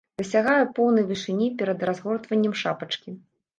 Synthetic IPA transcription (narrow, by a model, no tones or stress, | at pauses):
d̪̥ɐsʲaɣajɛpɔwnɐjvʲɨʂɨnʲipʲɛɾɐd̪razɣɔrt̪vɐnʲːɐmʂapɐt͡ʂkʲi